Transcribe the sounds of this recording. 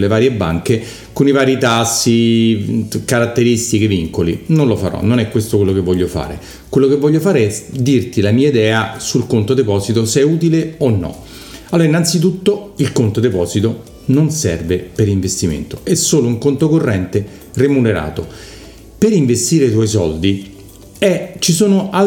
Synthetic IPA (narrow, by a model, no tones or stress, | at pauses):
levaːɾjebːa̰ŋke | konivaːɾjit̪asːi | kaɾat̪ːeɾist̪ikeviŋkolḭnonlofa̰ɾɔ̰nːonɛkːwest̪okwelːokevːɔʎːofa̰ːɾḛ | kwelːokevːɔʎːofaːɾeɛd̪irt̪ilamiːaid̪ɛːasulkont̪od̪epɔːzit̪osɛuːt̪̬ileonːɔ̰ | aloːɾainːant̪sit̪̬ut̪ːoilkont̪od̪epɔːzit̪o | nonsɛ̰rvepeɾiɱvest̪imḛnt̪oɛsːoːlouŋkont̪okorːɛnt̪e | remuneɾa̰ːt̪o | peɾiɱvest̪iːɾet̪wɔjsɔld̪i | ɛt͡ʃisoːnoʔa